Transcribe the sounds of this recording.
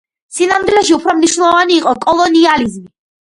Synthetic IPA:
sinamd̪ilɛʃiupʰɾɔmniʃwnɛlˠɔvaniːqʼɔkʼɔlˠɔnializmi

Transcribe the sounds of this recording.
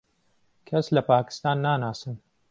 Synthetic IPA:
kʰɐslɐpaːki̥st̪aːnːaːnaːsɨn

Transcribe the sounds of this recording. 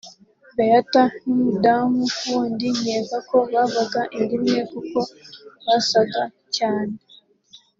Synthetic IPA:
βejatanumudamukuːndiɲeːvako̞βaβaɡaʔindimŋekuko̞βasaɡa | caːne

